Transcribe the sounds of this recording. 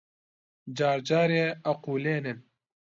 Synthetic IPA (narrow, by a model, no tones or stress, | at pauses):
d͡ʒaːɾd͡ʒaːɾeːɐquːleːnɨn